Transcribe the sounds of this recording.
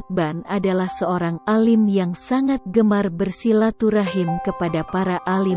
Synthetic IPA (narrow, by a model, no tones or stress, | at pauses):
t̪̚banadalahsəoɾaŋalɪmjaŋsaŋat̪̚ɡəmarbərsilat̪uɾaɦɪmkəpadapaɾaʔali